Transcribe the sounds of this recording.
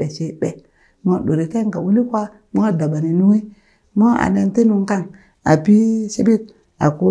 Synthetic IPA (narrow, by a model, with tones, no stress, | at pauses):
e˨ʃe˨ɓe˨ | mo˦˨ɗo˨ɾi˨te˦ŋka˨wu˦li˦kwa˦ | mo˦a˦˨da˨ba˨ni˨nu˦ŋi˦ | mo˦a̰˨ne˨nti˦nu˨ŋka˦˨ŋ | a̰˨pi˦ʃi˦bi˦t̚ | a̰˨ku˦